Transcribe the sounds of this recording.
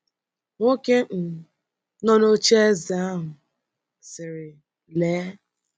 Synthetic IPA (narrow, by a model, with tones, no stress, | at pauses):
ŋʷo˦ke˦ʔ̩˨ | nɔ˦no˦t͡ʃe˦za˨˦a˦ɦʊ˨ | sɪ˨ɾɪ˨ | leː˨˦